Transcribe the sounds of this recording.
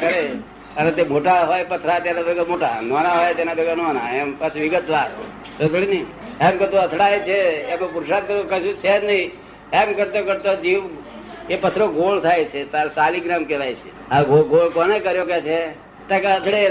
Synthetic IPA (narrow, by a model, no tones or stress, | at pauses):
kəɾe | ənet̪emoʈaɦojpət̪ʰɾat̪janabəɡmoʈa̰nɔnaɦɔjt̪enabəɡanona̰empat͡ʃʰʋɪɡət̪ʋat̪ | t̪ot̪ʰɽinəi | emkəɾt̪̬oət̪ʰɽaet͡ʃʰeːmapuɾʃad̪kəɾokəʃũt͡ʃʰenəĩ | emkəɾt̪okəɾt̪od͡ʒiʋ | epət̪ʰɾoɡʱoɭt̪ʰajt͡ʃʰet̪aɾsaliɡɾamkɛʋajt͡ʃʰe̥ | aɡoɡoɭkonekəɾjoket͡ʃʰe | t̪akeət̪ʰɽe